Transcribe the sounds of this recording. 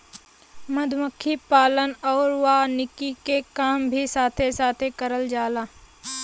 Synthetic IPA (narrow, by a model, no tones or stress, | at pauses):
mɐd̪ʱməkʰːipaːlənɔːɾwanɪkikekaːmbʱisaːt̪ʰesaːt̪ʰekəɾəld͡ʒaːlaː